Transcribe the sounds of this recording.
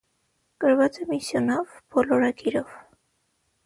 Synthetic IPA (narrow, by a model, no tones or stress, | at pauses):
kəɾvɑt͡sɛmisjɔnɔvbɔlɔɾɑkiɾɔv